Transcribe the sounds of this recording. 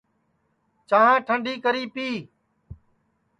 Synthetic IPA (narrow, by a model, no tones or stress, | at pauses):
t͡ʃaːãːʈʰəɳɖiːkəɾiːpiː